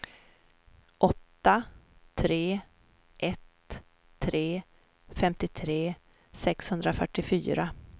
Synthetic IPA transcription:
ʔɔt̪ːat̪ʰɾeː | ʔɛt̪ʰː | ɾeː | fɛmt̪ɪt̪ʰɾeː | sɛkshɵnd̪ɾafœʈːɪfy̰ːɾa

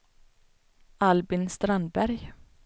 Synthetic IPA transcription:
ʔalbɪnst̪ɾand̪bæɾj

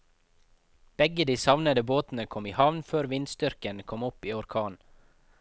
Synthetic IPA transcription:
b̥ɛɡəd̪iːsɑʋnəd̪əboːt̪n̩əkʰɔmiːhɑʋnføːɾʋɪnst̪ʏɾkənkʰɔmʊpiːɔɾkʰɑːn

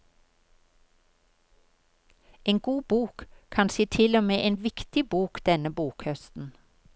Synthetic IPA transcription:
eːŋɡuːbuːkkʰɑnsiːt̪ʰɪlɔmeːʔeːnʋɪkt̪ɪbuːkd̪̥ɛnəbuːkhœst̪n̩

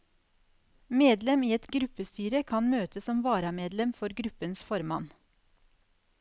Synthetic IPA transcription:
meːd̪lɛmiːɛt̪ɡɾʉpəst̪yːɾəkʰɑnmøːt̪əsɔmʋɑːɾɑmeːd̪lɛmfɔɾɡɾʉpənsfɔɾmɑn

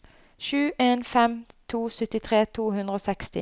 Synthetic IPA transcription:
ʃʉːʔeːnfɛmt̪ʰuːsʏt̪ɪt̪ʰʁeːt̪ʰuːhʉnd̪ʁəoːsɛkst̪ɪ̰

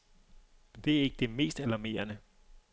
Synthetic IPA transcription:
md̥e̝æɐe̝ɡ̥əd̥e̝me̝̰ːsd̥ælɑme̝̰ːɐnə

